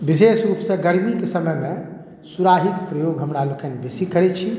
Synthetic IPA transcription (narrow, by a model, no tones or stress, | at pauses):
bisesɾupsə̃ɡəɾmikesəməjme | suɾaɦikpɾəjoɡɦəmɾalokʰɛnbesikəɾɛt͡ʃʰi